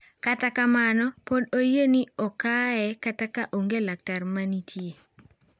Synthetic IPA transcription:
katakamanɔpodojeniɔkaɛkatakaʔoŋɡelak̚tarmanitʰje

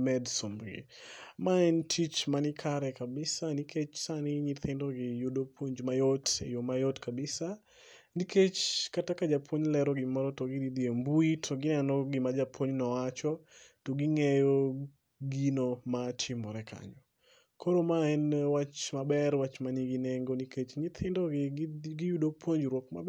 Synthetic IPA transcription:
mɛdsombɡɪ̰maɛntʰit͡ʃmanɪkʰaɾɛkabɪsanikʰet͡ʃsanɪɲit̪ɪndoɡɪjodopʰwoɲd͡ʒmajotḛjomajɔtkabɪsa | nikʰet͡ʃkatakad͡ʒapʰoɲlɛɾɔɡɪmɔɾɔtoɡidid̪iembuitʰoɡɪnɛnɔɡɪmad͡ʒapʰoɲnɔwat͡ʃɔtoɡiŋɛjo | ɡinomat͡ʃɪmɔɾɛkʰa̰ɲɔ | kʰoɾomaɛnwat͡ʃmabɛrwat͡ʃmaniɡineŋɡoniket͡ʃɲit̪ʰɪndɔɡɪɡɪjudopʰwoɲd͡ʒɾwɔkma̰b

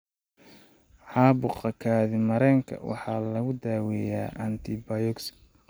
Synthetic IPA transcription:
ħɑːbʊqɐkʰaːðɪmɐɾɛːŋkʰɐ̰wɑ̰ħɑːlɐɣʊd̪aːwɛja̰ːʔɐnt̪ʰɪbɐjɔks

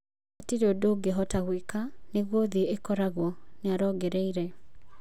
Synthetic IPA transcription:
atiɾeodoːɡeɦɔtaɣwekaneɣwɔðieekɔɾaɣwɔneaɾɔɡɛɾɛiɾɛ

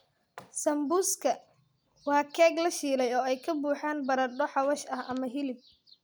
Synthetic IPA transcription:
sɐmbuskʰɐ | wɑːkʰɛːɡlɐʃiːlɛjɔːɛjkʰɐbuːħaːnbɐɾɐɖɔħɑwɐʃɐhʔɐmɐɦɪlɪb̚

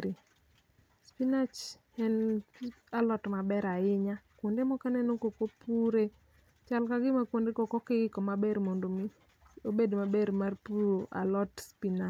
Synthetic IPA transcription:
ɾe | spinat͡ʃ | ɛn | alɔtmabɛɾaɪɲakwondemɔkanɛnokokopuɾe | t͡ʃalkaɡɪmakwondekɔkɔkɪɪkɔmabermondomi | obedmabeɾmarpuɾoʔa̰lɔtspina

